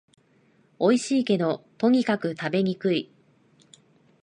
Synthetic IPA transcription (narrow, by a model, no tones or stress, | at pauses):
o̞iɕiːke̞no̞t̪o̞ɲ̟ikakɯ̟t̪abe̞ɲ̟ikɯ̟i